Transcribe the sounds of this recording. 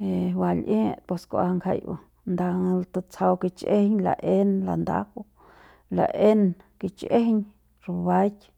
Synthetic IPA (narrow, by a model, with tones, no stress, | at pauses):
e˧wa˧lʔẽː˦pe˧skʷa̰˧ŋkʰa̰˧˨jʔa̰˧ | nd̪a˧t̪a˧t͡sʰa˧wki˧t͡ʃʔe˦˧ɲla̰˧ʔe˦nla̰˨nd̪a̰˦kʷu˧ | la̰˨ʔe˦nki˧t͡ʃʔe˦ɲ | ɾu˧βa˦jkʲ